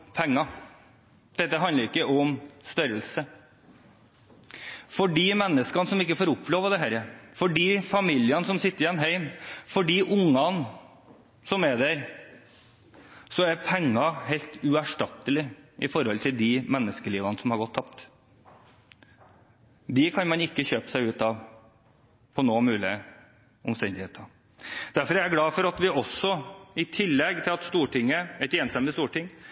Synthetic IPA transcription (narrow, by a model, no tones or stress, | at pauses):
pʰɛŋːɑ | d̪̥ɛt̪ːəɦɑnəɾɪkːəʔɔmst̪œɾəlsə | fɔɖiːmɛnːəskɑnsɔmɪkːəfoːɾʊpʰːloːʋəd̪ɛɦæɾəfɔɖiːfɑmiljənsɔmsɪt̪ːəɾɪɛnɦeɪmfɔɖiːʔʊŋːɑn | sɔmæd̪æɾ | sɔæɾpʰɛŋːɑɦelt̪ʉæʂʈɑt̪ːəlɪʔɪfɔɾhɔlt̪ʰɪld̪ɪmɛnːəskəliːʋɑnəsɔmhɑɾɡɔt̪ʰːɑp̚t̪ | d̪ɪkʰɑnmɑnɪkːəçøːpə̥sæɪʉːt̪ɑʋ | pʰɔnoːmʉːlɪə | ɔmst̪ɛnd̪ɪheːt̪ɑ | d̪̥æɾfɔɾææɾɡlɑːfɔɾɑt̪ʋɪʔɔsɔɪt̪ʰɪlːɛɡt̪ʰɪlɑt̪st̪uːʈʰɪŋːəɛt̪eːnst̪ɛmlɪst̪uːʈɪŋː